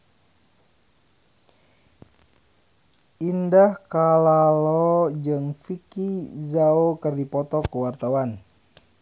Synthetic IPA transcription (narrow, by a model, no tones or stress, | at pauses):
ʔindahkalalɔd͡ʒəŋfikizaokərdipɔt̪ɔkəwart̪awan